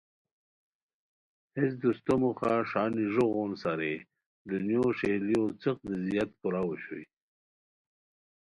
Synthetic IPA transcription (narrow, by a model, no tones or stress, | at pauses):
hes̬d̪ust̪omuxaʂaːniʐoɣoːnsaɾe | d̪unjoʂeliot͡səq̚d̪əzijat̪puɾawuɕṵj